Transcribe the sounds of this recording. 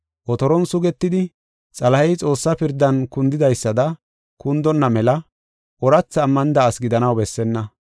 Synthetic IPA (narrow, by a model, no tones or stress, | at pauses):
ʔɔt̪ɔɾɔnsʊɡɛt̪ːɪd̪ɪ | t͡sʼɐlɐhɛjt͡sʼo̞ːsːɐpɪɾd̪ːɐnkʊnd̪ɪd̪ɐjsːɐd̪ɐ | kʊnd̪ɔnːɐmɛlɐ | ʔɔɾɐt͡sːɐːmːɐnɪd̪ɐːsɡɪd̪ɐnɐwbɛsːɛnːɐ